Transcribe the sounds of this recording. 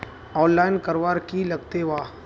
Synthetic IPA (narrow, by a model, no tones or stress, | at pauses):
ɔːnlaːɪnkɐɾʋaːɾkilɐɡ̚t̪eʋaː